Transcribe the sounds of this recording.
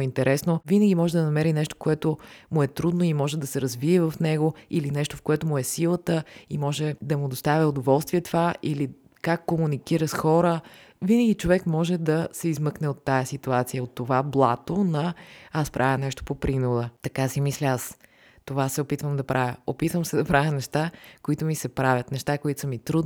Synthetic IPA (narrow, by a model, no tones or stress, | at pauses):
int̪ɛɾʔɛsnovinəɡʲimɔʒɛd̪ɐnɐmɛɾinɛʃt̪o̥koɛt̪ʊmʊɛt̪ɾud̪noimɔʒɛd̪ɐsɛɾɐzviɛvɐfnɛɡoilinɛʃt̪ofkoɛt̪ʊmʊɛsilˠət̪əimɔʒɛd̪ɐmʊd̪ost̪avʲəʊd̪ovɔlˠst̪viɛt̪ovaʔili | kakːomunikiɾəsxɔɾə | vinəɡʲit͡ʃovɛkmɔʒɛd̪ɐsɛizmɤknɛot̪ːajəsit̪uat̪sijəot̪ːovablˠat̪onɐaspɾʔavʲjənɛʃt̪o̥popɾinod̪ət̪ɐkasimislʲas | t̪ovasɛopit̪vəmd̪ɐpɾʔavʲjəopit̪vəmsɛd̪ɐpɾavʲɐnɛʃt̪akoit̪ʊmisɛpɾavʲət̪nɛʃt̪akoit̪ʊsəmit̪ɾud̪